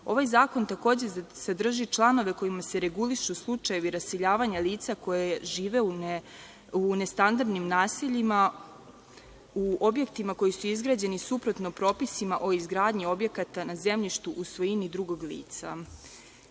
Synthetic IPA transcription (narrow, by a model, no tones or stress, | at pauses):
o̞ʋajzaːko̞nt̪ako̞ːd͡ʑesad̪r̩ʒit͡ʃlˠano̞ʋe̞ko̞imase̞ɾe̞ɡuliʃuslˠut͡ʃaje̞ʋiɾase̞ʎaːʋaɲaliːt̪sako̞jeʒiːʋe̞u | une̞st̪and̪aɾd̪nimnaːsiʎima | uo̞bje̞kt̪imako̞jisuizɡɾaːd͡ʑe̞nisupɾo̞t̪nopɾo̞ːpisimaʔo̞izɡɾaːd̪ɲio̞bje̞kat̪anaze̞mʎiʃt̪uʔusʋo̞jinid̪ɾuɡo̞ɡlḭːt̪sa̰